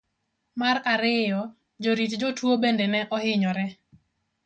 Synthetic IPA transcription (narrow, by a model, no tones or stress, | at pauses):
maɾaɾɪjɔ | d͡ʒoɾitd͡ʒɔtwobendɛnɛʔɔhɪɲɔɾɛ